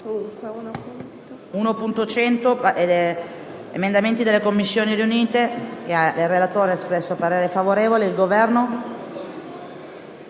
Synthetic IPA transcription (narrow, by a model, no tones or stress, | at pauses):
unopunt̪ot͡ʃɛnt̪opʔe | ḛmend̪ament̪id̪elːekomːisːjoːniɾiuniːt̪ekeaerːelat̪oːɾeespɾɛsːoapaɾeːɾefavoɾeːvoleilɡovɛrno